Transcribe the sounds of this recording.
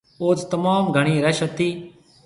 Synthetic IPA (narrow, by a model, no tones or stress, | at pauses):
oːt͡st̪əmaːmɡʱəɽ̃iːɾɐʃət̪iː